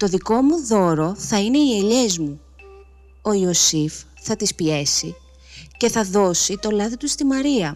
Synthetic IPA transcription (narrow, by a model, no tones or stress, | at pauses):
t̪o̞ðiko̞muðo̞ɾo̞θɐine̞ie̞ʎe̞zmu | o̞iosif | θɐt̪ispie̞si | ce̞θɐðo̞sit̪o̞lɐðit̪ust̪imɐɾiɐ